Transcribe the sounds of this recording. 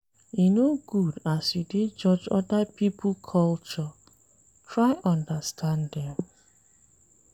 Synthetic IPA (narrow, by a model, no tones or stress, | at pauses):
inoɡudasuded͡ʒɔd͡ʒɔ̰dapipʊkʰɔlt͡ʃɔ | tɹaɪʔɔ̃ndastʰãndɛm